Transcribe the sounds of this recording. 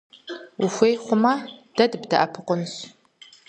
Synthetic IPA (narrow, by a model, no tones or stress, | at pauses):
wʊxʷeːjχʷʊmɐd̥ɐdɨbdɐʔɐpʰɨqʷʊnɕ